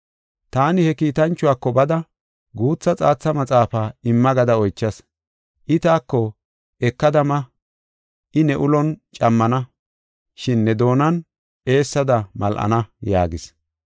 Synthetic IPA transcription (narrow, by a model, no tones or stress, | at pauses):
t̪aːnɪhɛkiːt̪ɐnt͡ʃːʊwaːkːɔbɐd̪ɐ | ɡuːt͡sːɐt͡sʼaːt͡sːɐmɐt͡sʼaːfaːɪmːɐɡɐd̪ɐɔjt͡ʃːɐs | ʔɪt̪aːkːɔ | ɛkːɐd̪ɐmɐ | ʔɪnɛʔʊlɔnt͡ʃʼɐmːɐnɐ | ʃɪnːɛd̪o̞ːnɐn | e̞ːsːɐd̪ɐmɐlʔɐ̰nɐja̰ːɡɪs